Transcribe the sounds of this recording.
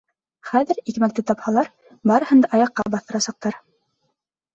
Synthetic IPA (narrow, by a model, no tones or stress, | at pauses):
χæðɘ̆ɾikmæk̚t̪ɘt̪ɑphɑlˠɑɾ | bɑɾɤ̆hɤ̆nd̪ɑʔɑjɑqːɑbɑθɤ̆ɾɑsɑq̚t̪ɑɾ